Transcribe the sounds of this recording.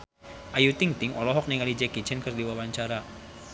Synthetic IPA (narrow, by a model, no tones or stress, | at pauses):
ʔajut̪iŋt̪iŋʔɔlɔɦɔk̚niŋalid͡ʒɛkit͡ʃɛnkərdiwawaɲt͡ʃaɾa